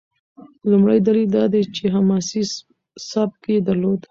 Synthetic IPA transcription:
lumɽajd̪alild̪ɑd̪et͡ʃeɦamɑsi | sɑb̚keed̪aɾlod̪

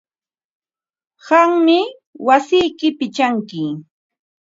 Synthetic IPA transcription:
ɢaŋmɪ | wasɪjkɪpɪt͡ʃaŋkɪ

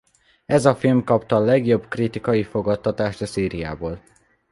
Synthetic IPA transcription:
ɛzɒfilmkɒpt̪ɒːlɛɡjo̞bkrit̪ikɒjifo̞ɡɒt̪ːɒt̪aːʃt̪ɒsiːɾija̰ːboːl

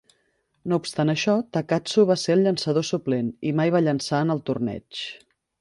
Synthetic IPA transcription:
noupst̪anəʃɔt̪əkasuβ̞aseəlʎənsəðosuplenimajβaʎənsaənəlˠt̪urnɛ̰t͡ʃ

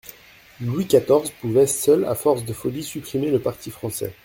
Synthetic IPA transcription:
lwikat̪ɔʁzpuvɛsœla̰fɔʁsd̪əfɔlisypχimeləpaʁt̪ifχɑ̃sɛ̰

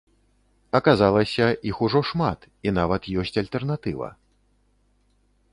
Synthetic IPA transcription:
ɐkazalˠɐsʲɐʔixuʐɔʂmat̪ | in̪avɐt̪jɔsʲt͡sʲalʲt̪ɛrnat̪ɨvɐ̰

